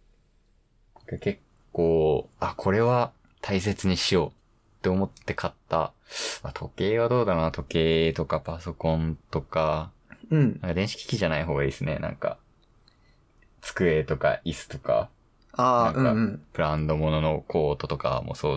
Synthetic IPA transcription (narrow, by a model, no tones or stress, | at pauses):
nakake̞kːoːakʰo̞ɾe̞βa | t̪ʰais̬e̞t͡sɨɲ̟iɕijo̞ː | t̪ːe̞o̞mo̞t̪ːe̞kʰat̪ːa̰ | at̪ʰo̞ke̞ːβad̪o̞ːd̪anat̪ʰo̞ke̞ːt̪o̞kapaso̞kõ̞nt̪o̞ka̟ | nãŋkad̪ẽ̞ɕi̥kʲi̥kʲiʑanaiɦo̞ːɡaisɨne̞̰nã̰ŋka̰ | t͡sɨ̥kɯ̟e̞ːt̪o̞ka̰ʔisɨ̥t̪o̞ka̰ | aːnãŋɯk̟ã̰pɯ̟ɾãnd̪o̞mo̞no̞no̞kʰo̞ːt̪o̞t̪o̞ka̰mo̰so̞ː